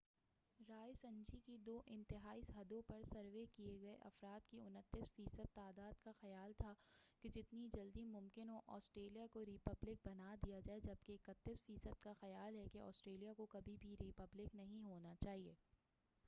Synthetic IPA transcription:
ɾaːjsɐ̃nd͡ʒikid̪oːʔɪ̃nt̪ɪɦaːisɦɐd̪õpɐɾsɐɾʋekieɡɐeʔɐ̰fɾaːd̪kiʊnət̪ːɪsfiːsəd̪̚t̪aːd̪aːd̪kaxɐjaːlt̪ʰaked͡ʒɪt̪nid͡ʒɐld̪imʊ̃mkɪnɦoʔɔːsʈɾeːlijakoɾɪpɐblɪk̚bɐnad̪ijad͡ʒaːed͡ʒɐb̚keɪkət̪ːisfiːsəd̪kaxɐjaːlɦɛkeɔ̰ːsʈɾeːlijakokɐbʱibʱiɾipɐblɪknɐɦĩɦoːnat͡ʃaːɦieː

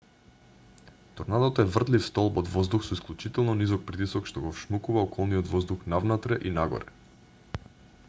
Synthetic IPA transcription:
t̪ɔɾnad̪ot̪ɛvr̩d̪lifst̪ɔlˠbɔd̪vɔzd̪uxsɔisklʲˠut͡ʃit̪ɛlˠnɔnizɔk̚pɾit̪isɔkʃt̪ɔɡɔfʃmukuvaɔkɔlˠniɔd̪vɔzd̪uxnavnat̪ɾɛʔinaɡɔ̰ɾɛ

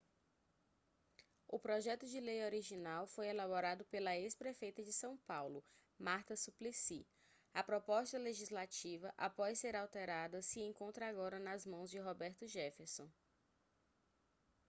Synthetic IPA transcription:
ʊpɾɔʒɛt̪ʊd͡ʒɪlejoɾiʒinawfojɛlaboɾad̪ʊpelɐespɾefejt̪ɐd͡ʒɪsɐ̃w̃pawlʊ | maɾt̪ɐsuplisi | ɐpɾɔpɔst̪ɐleʒizlat͡ʃivɐʔapɔsːeɾawt̪eɾad̪ɐsɪẽŋkõnt̪ɾɐaɡɔɾɐnɐzmɐ̃w̃zd͡ʒɪɦɔbɛɾt̪ʊʒɛfesõ

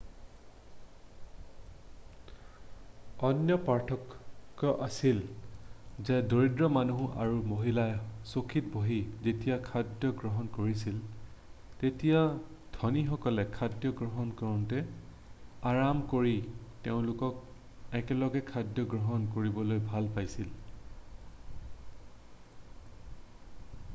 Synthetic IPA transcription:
ɔnjɔpaɹtʰɔkːɔʔasil | zɛdoɹidɹɔmanuɦuʔa̰ɹumoɦilajsokʰitbʱoɦizetijakʰadjɔɡɹɔɦɔnkoɹisil | tetija | dʱɔnixɔkɔlɛkʰadjɔɡɹɔɦɔnkɔɹɔntɛ | aɹamkoɹiteʊ̃lʊkɔk̚ | ɛkɛlɔɡɛkʰadjɔɡɹɔɦɔnkoɹibɔlojbʱalpajsil

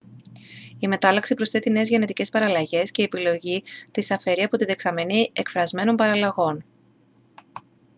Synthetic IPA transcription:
ime̞t̪ɐlɐksipɾo̞sθe̞t̪ine̞ːzʝe̞ne̞t̪ice̞spɐɾɐlɐʝe̞sce̞iːepilo̞ʝit̪isɐfe̞ɾiɐpo̞t̪iðe̞ksɐmenie̞kfɾɐzme̞no̞mpɐɾɐlɐɣo̞n

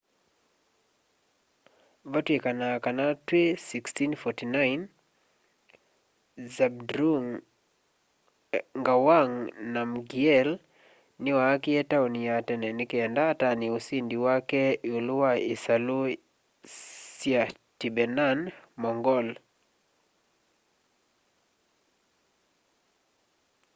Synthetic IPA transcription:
vatwekanakanatwesikstinfɔtinajn | zabdɾuŋ | ŋɡawaŋnamɡiɛl | niwakiɛtaunijatɛnɛnikiɛndataniusindiwakɛuluwaisalu | sja | tibɛnanmɔŋɡɔl

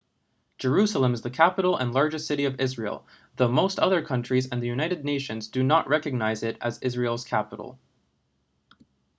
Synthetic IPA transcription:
d̥ʒ̥ə˞ʉsl̩ˠə̃mɨzðɨkʰæpəɾl̩ˠə̰̃nlɑɹd͡ʒɨsɪɾiʌvɪzɹil̩ˠ | ðoʊmoʊstʰʌðə˞kʰʌ̃nt͡ʃɹ̥izɨ̃nðɨjʉnaɪɾɨdⁿneɪʃɨ̃nzdɨnəʔɹʔɛkɨɡ̚naɪzɪɾɨzɪzɹil̩ˠz̥kʰæpə̰ɾl̩ˠ

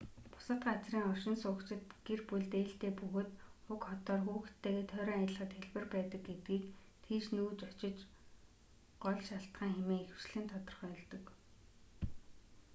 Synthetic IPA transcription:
pʊ̥sə̆t̪ɢat͡sriːŋɔrʃɪ̆nsʊːkt͡ɕɪ̆t̪ɡ̥erpuɮt̪eːɬt̪eːpɵɣoːt̪ʊkɔt̪ɔːrxuːxt̪ʰːeːɣeːt̪ʰœːɾœːŋajət̪ɮə̆χə̆t̪xeɮpɘ̆rpæːt̪ə̆k̚ɡet̪ɡiːk | t̪ʰiːʃnuːt͡ɕɔt͡ɕɪ̆t͡ɕ | ɢ̥ɔɮʃaɬt̪ɢaːŋxemeːŋexɘ̆w̥t͡ɕɮɘ̆nt̪ʰɔt̪ɞ̆rχœːɮt̪ɞ̆k

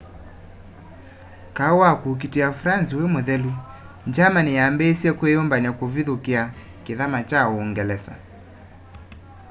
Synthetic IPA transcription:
kawakuːk̬itiafɾansiwɛmɛðɛlwi | ɲd͡ʒamanijambɛsiɛkwɛjɔmbaɲakuviðukia | kiðamat͡ʃaɔːŋɡɛlɛsa̰

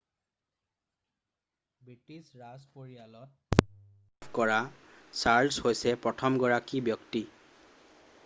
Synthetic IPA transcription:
bɹitisɹazpoɹijalɔt̚ | kɔɹasaɹlshojsɛpɹɔtʰɔmɡɔɹakibjɔkti

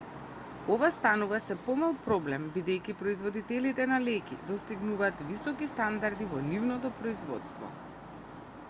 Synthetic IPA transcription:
ɔvast̪anuvasɛpɔmalˠpɾɔblɛmbid̪ɛjkʲipɾɔizvɔd̪it̪ɛlit̪ɛnalɛkʲḭd̪ɔst̪iɡnuvaːt̪visɔkist̪and̪aɾd̪ivɔnivnɔt̪ɔpɾɔizvɔ̰t̪st̪vɔ̰

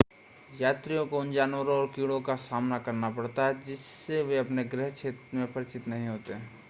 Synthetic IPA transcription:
jaːt̪ɾijõkoʊnd͡ʒaːnwəɾõɔːɾkiːɽõkasaːmnakɐɾnapɐɽt̪aɦɛd͡ʒɪsːeʋeɐpneɡɾɛɦt͡ʃʰeːt̪ɾmẽpɐɾɪt͡ʃɪt̪nɐɦĩɦoːt̪eɦɛ̃ː

